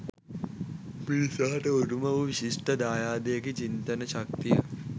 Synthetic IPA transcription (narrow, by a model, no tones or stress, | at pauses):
piɾisaːʈɐoɾumɐʋuʋiɕiʂʈɐd̪aːjaːd̪ejɐkit͡ʃint̪ɐnɐɕɐk̚t̪ijɐ